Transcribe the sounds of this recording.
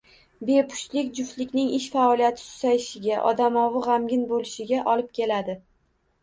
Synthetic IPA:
be̞pʰʊ̥ʃlɪkʲd͡ʒʊft̪lɪkʲnɪŋɪʃfaɒlijat̪ʰɪ̥t̪ʰʊ̥zajɪʃɪɡʲaʔɒ̰d̪amɒwɨʁamɡʲɪnbolɪʃɪɡʲaʔɒlɪp̚kʲʰe̞lad̪ɪ

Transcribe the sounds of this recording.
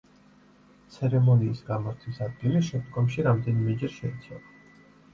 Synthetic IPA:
t̪sʰɛɾɛmɔniːsɡamɔɾt̪ʰwisad̪̚ɡiliʃɛmd̪ɡɔmʃiɾamd̪ɛnimɛd͡ʒɛɾʃɛit̪sʰɛla

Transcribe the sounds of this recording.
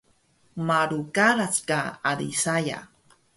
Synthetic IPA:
maɾukalat͡skaad̪isaja̰

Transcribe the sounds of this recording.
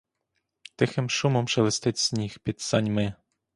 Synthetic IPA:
t̪ɪxɪmʃumɔmʃɛʋɪst̪ɪtʲsʲnʲixpʲit̪sɑnʲmɪ

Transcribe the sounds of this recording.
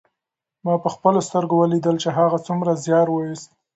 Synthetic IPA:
mɑpəxpəlost̪əɾɡowəlid̪əlt͡ʃeɦaɣat͡sumɾazjɑɾwəjist̪

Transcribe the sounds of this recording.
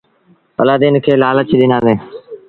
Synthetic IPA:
pəlaːd̪iːnkʰeːlaːlət͡ʃʰiɗ̪ɪnãːd̪eː

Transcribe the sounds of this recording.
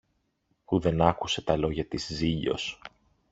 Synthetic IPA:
puðe̞nɐkuse̞t̪ɐlo̞ʝɐt̪izziʎo̞̰s

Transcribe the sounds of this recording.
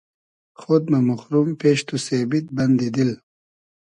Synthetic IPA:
xod̪memuxɾumpeʃt̪usebit̪̚bɐnd̪id̪il

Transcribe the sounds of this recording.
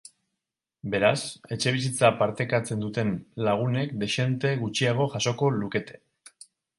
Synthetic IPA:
be̞ɾase̞t͡ʃe̞β̞is̬it͡sapaɾt̪e̞kat͡se̞nd̪ut̪e̞nlaɣ̞une̞kd̪e̞ʃe̞nt̪e̞ɣut͡ʃiaɣ̞o̞ʝaso̞ko̞luke̞t̪e̞̥

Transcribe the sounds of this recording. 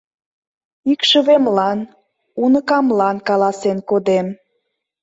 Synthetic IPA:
ikʃəβemlɑn | unə̆kɑmlɑnkɑlɑsenkod̪em

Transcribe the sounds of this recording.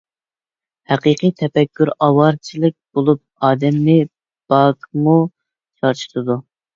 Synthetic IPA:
hæqɨqʰɨjt̪ʰɛpɛkʲːyɾɑwɑɾt͡ʃʰilɪk̚ʲb̥olˠup̚ɑːd̪ɛmːɪ | b̥ɑkmu | t͡ʃʰɑɾt͡ʃʰɨ̥t̪ʰɨd̪u

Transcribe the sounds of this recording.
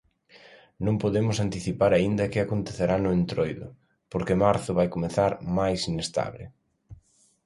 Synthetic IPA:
nõŋpoðemʊsant̪iθipaɾaind̪ɐkɪakont̪eθeɾanʊent̪ɾojðʊ | poɾkemaɾθʊβajkomeθaɾmajsinest̪a̰βlɪ̰

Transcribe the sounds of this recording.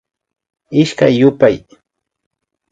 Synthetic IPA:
ɪʃkajːʊpaj

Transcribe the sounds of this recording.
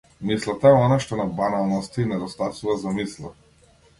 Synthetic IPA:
mislˠat̪aɛɔnaʃt̪ɔnabanalˠnɔst̪ainɛd̪ɔst̪asuvazamislˠa

